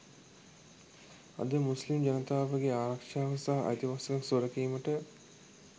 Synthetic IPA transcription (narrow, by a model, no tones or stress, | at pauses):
ɐ̰d̪əmuslimd͡ʒɐnət̪aːʋəɡeaːɾɐkʂaːɦɐsaːɦʔɐ̰t̪iʋasɐnɐksoɾɐkiːməʈə